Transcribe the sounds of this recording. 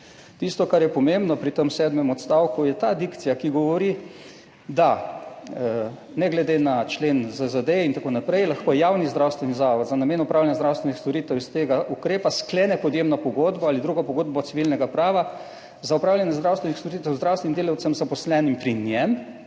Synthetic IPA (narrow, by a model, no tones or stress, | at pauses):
t̪ist̪ɔkaɾjɛpɔmembnɔpɾit̪əmsɛːd̪mɛmɔt̪st̪awkujɛt̪ad̪ikt̪sijakiɡɔʋɔɾi | d̪a | nɛɡlɛd̪enat͡ʃleːnzəzad̪eint̪akonapɾɛjlaxkojɛjaːwnizd̪ɾawst̪ʋɛnizaːʋɔd̪zanameːnupɾawljanjazd̪ɾawst̪ʋɛnixst̪ɔɾiːt̪ɛwist̪eːɡaʔukɾeːpaskleːnɛpɔd̪jeːmnɔpɔɡod̪bɔalid̪ɾuːɡɔpɔɡoːd̪bɔt̪siʋilnɛɡapɾaːʋa | zaupɾawlʲjanjɛzd̪ɾawst̪ʋɛnixst̪oɾiːt̪ɛwzd̪ɾawst̪ʋɛnimd̪eːlɐwt̪sɛmzapɔslɛnimpɾinjɛm